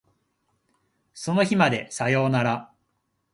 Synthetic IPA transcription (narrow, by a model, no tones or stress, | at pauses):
so̞no̞çimad̪e̞sajo̞ːnaɾa